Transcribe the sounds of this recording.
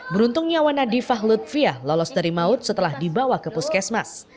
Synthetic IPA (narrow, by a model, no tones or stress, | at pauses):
bəɾunt̪ʊŋɲawanadifaɦlut̪̚fialɔlɔsdaɾimaʊt̪̚sət̪əlahdibawakəpuskɛsmas